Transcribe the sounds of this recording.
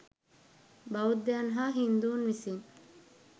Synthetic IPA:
baud̪ːeanɦaɦind̪uːnmisin

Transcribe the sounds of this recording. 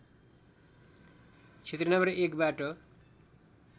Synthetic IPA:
t͡sʰet̪rʌnʌmʌrekbaʈo

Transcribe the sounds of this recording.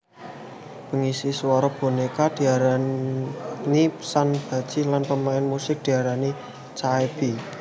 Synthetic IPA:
b̥əŋisiswɔɾɔb̥o̤nekad̪̥i̤aɾa | nisanb̥a̤̥t͡ʃilanpəmaɪnmusɪk̚d̥i̤aɾani | t͡ʃaeb̥i

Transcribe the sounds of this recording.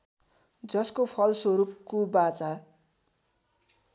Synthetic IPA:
d͡zʌskopʰʌlswoɾupkobat͡sa

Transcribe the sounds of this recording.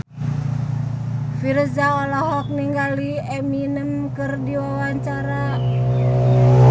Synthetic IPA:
fiɾəszaɔlaɦɔk̚niŋɡaliɛminəmkɨrdiwawaɲt͡ʃaɾa

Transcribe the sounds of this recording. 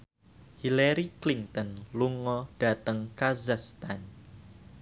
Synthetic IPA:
hilaɾiklint̪ɔnluŋɔd̥at̪əŋkazast̪an

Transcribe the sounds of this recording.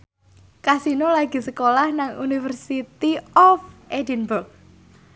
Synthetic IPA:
kasinolaɡ̥i̤səkolahnaŋunifərsit̪iɔfʔedinburk̚

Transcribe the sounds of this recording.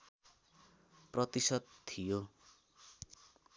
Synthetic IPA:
prʌt̪isʌd̪̚t̪ʰijo

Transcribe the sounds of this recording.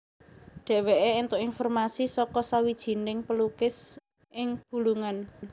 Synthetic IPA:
ɖ̪̥e̤weʔeɪnt̪ʊʔinfɔrmasisɔkɔsawid̥ʒ̥i̤nɪŋpəlukɪs | ʔɪŋb̥ṳluŋan

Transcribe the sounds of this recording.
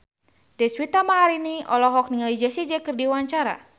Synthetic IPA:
dɛswit̪amaɦaɾiniɔ̰lɔɦɔk̚niŋalid͡ʒasid͡ʒɛkɨrdiwaɲt͡ʃaɾa̰

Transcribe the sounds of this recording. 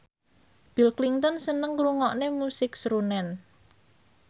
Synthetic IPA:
b̥i̤lkliŋt̪ɔnsənəŋɾuŋɔʔnemusɪksɾunɛn

